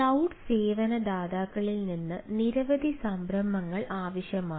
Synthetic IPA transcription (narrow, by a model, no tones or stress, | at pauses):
ɐwɖseːʋɐnɐd̪aːd̪aːɣɐɭilninːɨniɾɐʋɐd̪ʱisɐmbʱɾɐmɐŋːɐɭʔaːʋɐɕjɐmaː